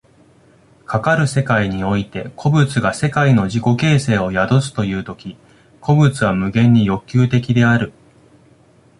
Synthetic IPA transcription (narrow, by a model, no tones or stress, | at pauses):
kʰakaɾɯ̟se̞kaiɲ̟io̞it̪e̞kʰo̞bɯ̟t͡sɨɡase̞kaino̞ʑiko̞ke̞ːse̞ːo̞jad̪o̞sɨ̥t̪o̞jɯ̟ːt̪o̞kʲi | kʰo̞bɯ̟t͡sɨβ̞amɯ̟ɡẽ̞ɲ̟ːijo̞kʲːɨːt̪e̞kʲid̪e̞aɾɯ̟